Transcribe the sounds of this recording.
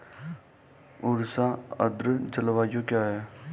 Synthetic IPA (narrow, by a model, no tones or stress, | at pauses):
ʊɾsaə̰d̪ɾəd͡ʒəlʋaːjjokjaɦɛ